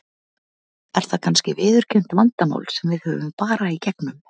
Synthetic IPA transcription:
ɛɾ̥θakʰanscɪvɪːðʏɾ̥cʰʏn̥t̪mant̪amo̰ːwlsɛmvɪðhœːvʏmpaːɾaicɛknʏm

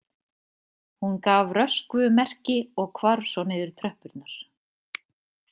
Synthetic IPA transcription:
hunkaːvrœskvʏmɛr̥cɪɔɣkʰvaɾsɔneːðʏɾ̥t̪ʰɾœhpʏɾt̪naɾ̥

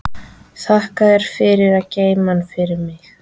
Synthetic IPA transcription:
θahkaðɛɾ̥fɪɾɪɾaceːjmanfɪɾɪɾmɪx

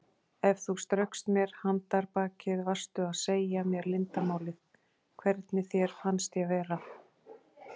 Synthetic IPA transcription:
ɛvθust̪ɾœɥwhkst̪mjɛɾ̥hant̪aɾpaːcɪðvar̥st̪ʏaðseːjamjɛɾlɪnt̪amaːwlɪð | kʰvɛɾt̪nɪθjɛɾ̥fanst̪jɛvɛːɾa

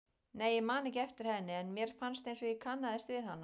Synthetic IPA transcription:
neːjɪmaːnɪcɛft̪ɪɾ̥hɛnːɪɛnmjɛɾ̥fanst̪ejnsɔɣikʰanːaðɛst̪vɪðhanːa

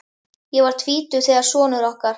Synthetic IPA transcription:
jɛɣvaɾ̥t̪ʰviːt̪ʏθɛːðaɾ̥sɔːnʏɾɔhkaɾ̥

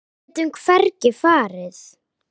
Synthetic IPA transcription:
t̪ʏmkʰvɛrcɪfaːɾɪð

